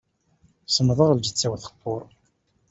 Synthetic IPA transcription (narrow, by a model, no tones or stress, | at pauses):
sˤəmðˤəʁəld͡ʒət͡sːæwθə̥qːoɾˤ